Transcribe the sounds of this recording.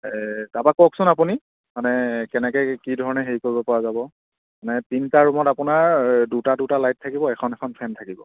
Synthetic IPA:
ɛtabakɔksʊnapuni | manɛkɛnɛkɛjkidʱɔɹɔnɛɦeɹikoɹibɔpɔɹazabɔ | manɛtintaɹumɔtapunaɹdutadutalajt̚ʰːakibɔɛkʰɔnɛkʰɔnpʰɛntʰakibɔ

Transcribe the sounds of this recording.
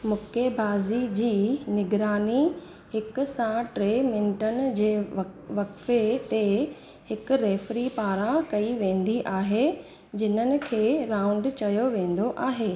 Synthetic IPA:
mʊkebʱaːzid͡ʑiːnɪɡɾaːni | hɪkʊ̆sãʈɾeːmɪ̃nɪʈənɪ̆d͡ʑeːʋɐkfet̪e | hɪkʊ̆ɾeːfɾipaːɾãkɐiʋẽːn̆d̪iʔaːɦe | d͡ʑɪnənɪ̆kʰeːɾãːʊ̃ɳɖt͡ɕɐjoʋẽːn̆d̪oʔaːɦeː

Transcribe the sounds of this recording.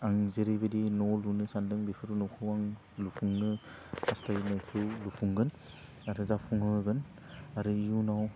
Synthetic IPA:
aŋzeɾebedinɔlunɯsandɯŋbepʰɯɾunɔkʰɯwaŋ | lupʰuŋnɯ | astajnajkʰɯwlupʰuŋɡɯn | aɾɯzapʰuŋɯɡɯn | aɾɯijunaw

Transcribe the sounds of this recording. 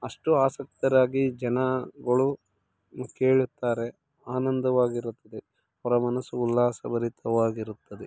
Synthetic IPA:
ɐʂʈuaːsɐk̚t̪ɐɾaːɡid͡ʒɐnɐɡɐɭu | keːɭut̪ːaːɾe̞ | aːnɐnd̪ɐʋaːɡiɾut̪ːɐd̪e | ɦɔɾɐmɐnɐsuːlːaːsɐbɐɾit̪ɐʋaːɡiɾut̪ːɐd̪e

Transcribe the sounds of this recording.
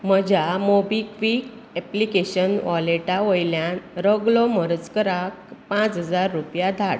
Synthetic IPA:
m̤əd͡ʑamobikʋik | ɛplikeɕənʋɔleʈaʋəjljanɾəɡɭɔməɾət͡skəɾak̚pãt͡sɦəd͡zaɾːupjad̪ʱaɽ

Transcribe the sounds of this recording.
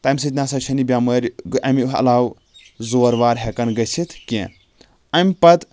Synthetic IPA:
t̪amʲs̬ɨt̪ʲnaːsɐt͡ʃʰɐnibʲaməɾʲʔɐmʲuɦɐ̰laːw | zoɾʋaːɾɦʲekɐnɡɐt͡sʰit̪ʰkʲẽ | ɐmʲpɐt̪

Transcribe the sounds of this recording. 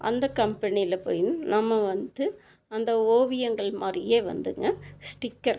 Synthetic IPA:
ʔɐ̰nd̪ɐkɐmpɐnɪjlɐpo̰ːjnnɐmːɐʋɐnd̪ɯ | ɐnd̪ɐoːʋɪjɐŋɡɐɭmaːd̪ɾɪjeːʋɐ̰nd̪ɯŋɡɐsʈɪkːɐɾ

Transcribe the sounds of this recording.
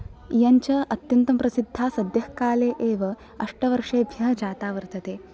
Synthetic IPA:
jɐɲt͡ɕɐɐt̪jɐnt̪ɐmpɾɐsid̪ʱːaːsɐd̪jɐhkaːleːʔeːʋɐ | ɐʂʈɐʋɐɾʂeːbʱjɐɦd͡ʑaːt̪aːʋəɾt̪ɐt̪eː

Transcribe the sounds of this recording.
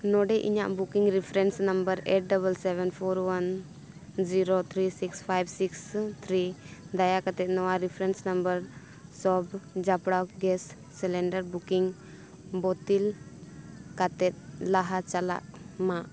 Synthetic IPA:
nɔɖɛʔḭɲaʔbukiŋɾipʰɾɛnsnəmbəɾeʈ̚ɖəβəlsɛbɛnpʰɔɾwan | d͡ʒiɾot̪ʰɾisikspʰajbsikst̪ʰɾid̪ajakat̪ɛt̪̚nɔwaɾipʰɾɛnsnəmbəɾ | sɔbd͡ʒapɽawkɡɛsː | ɛlɛɳɖəɾbukiŋ | bɔt̪il | kat̪ɛt̪̚laɦat͡ʃala̰ʔmaʔ

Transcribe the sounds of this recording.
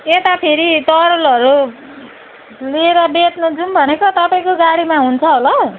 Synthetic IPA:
et̪apʰeɾit̪ʌɾolʌɾu | lieɾʌbet̪nʌd͡zunbʱʌnekot̪ʌpaĩkoɡaɽimaɦunt͡sʰʌɦolʌ

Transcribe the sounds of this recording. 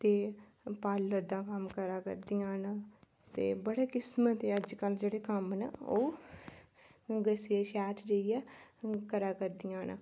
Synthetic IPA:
t̪eː | paːlːəɾd̪ãːkəmkəɾaːkə̰ɾd̪ɪjãːn | t̪ḛːbəɽeːkɪsmət̪eːəd͡ʒkəld͡ʒeːɽeːkəmnəoː | ɡəseːʃɛːt̪d͡ʒeijaːkəɾaːkəɾd̪ɪjãːn̰

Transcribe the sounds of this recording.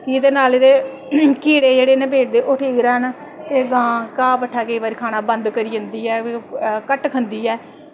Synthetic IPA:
kiːd̪eːnaːlɪd̪eː | kʰiːɽeːd͡ʒeːɽeːnẽːbeːʈ̚d̪eːʔʊʈʰiːɡɾɛːn | t̪eːɡãːkãːpəʈʰːaːkəiːʋaːɾiːkʰaːnaːbənd̪kəɾiːənd̪iːɛːkəʈkʰənd̪iːɛː

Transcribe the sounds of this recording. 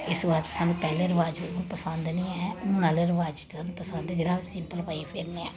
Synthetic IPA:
ɪsʋaːɾt̪saːnũːpɛːleːɾəʋaːd͡ʒonpəsənd̪nĩːɛːʊnaːleːɾʋaːd͡ʒt̪saːnũpəsə̃nd̪ɛd͡ʒɪɾãːsɪmpəlpaːipʰɪɾniɛː

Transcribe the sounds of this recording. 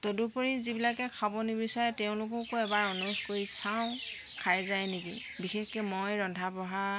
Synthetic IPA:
todupoɹizibilakɛkʰabɔnibisaɹɛteʊ̃lʊkɔkʊɛbaɹɔnukkoɹisaʊ̃ | kʰajzajniki | bixexkɛmojɹɔndʱabɔɦa

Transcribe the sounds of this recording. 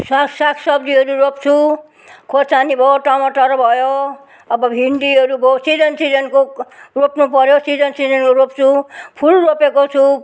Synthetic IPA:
saksakʰsʌbd̪iɦʌɾuɾopt͡sʰu | kʰot͡sanibʱʌoʈamʌʈʌɾʌbʱʌjo | ʌbʌbʱiɳɖiɦʌɾubosid͡zʌnsid͡zʌnkoropnupʌɾjosid͡zʌnsid͡zʌnkoɾopt͡sʰupʰulropekot͡sʰu

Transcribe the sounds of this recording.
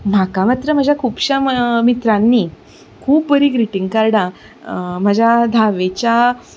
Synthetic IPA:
m̤akamat̪ɾəm̤əd͡ʑʱjakʰuːbɕamit̪ɾanːiː | kʰuːpʋəɾiːɡɾiʈiŋɡkaɾɽã | m̤əd͡ʑjad̪ʱaʋet͡ɕja

